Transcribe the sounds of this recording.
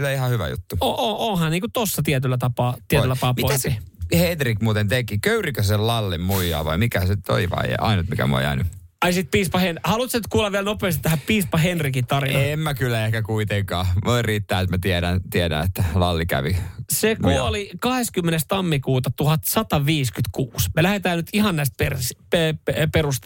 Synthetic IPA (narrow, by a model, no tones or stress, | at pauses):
t̪æihɑhyʋæ̰jṵt̪ːuoʔoʔoːhɑnniːkut̪osːɑt̪iɛt̪ylːæt̪ɑpɑːt̪iet̪læɑpɑːpmiot̪kihedrikmuːt̪ent̪ekikøyrikøsellɑlːimmuijɑ̰ːʋɑimikæsenyt̪o̰iʋɑ̰ḭɑ̰inut̪mikæ̰mo̰ḭjɑ̰inu | ɑisit̪̚piːspɑhenhɑlut̪senyt̪̚kuːlːɑʋʋiælnopeːst̪it̪æhæpiːspɑɦenrikit̪ɑrinɑemmækylːæehkækuit̪eŋkɑːʋoirriːt̪ːæːet̪mæt̪ieɾænt̪iædæ̰et̪ːælɑlːikæ̰ʋisekuolikɑheskymːenest̪ɑmːikuːt̪ɑt̪uhɑt̪sɑt̪ɑʋiːskyt̪kuːsmelæhet̪æːnyt̪ihɑnnæist̪̚perspeeperust̪